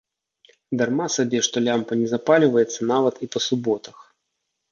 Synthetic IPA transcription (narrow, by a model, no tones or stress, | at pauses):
d̪armasabʲɛʂt̪ɔlʲampɐnʲɛzapalʲivɐjɛt̪sːɐnavɐt̪ipɐsubɔt̪ɐx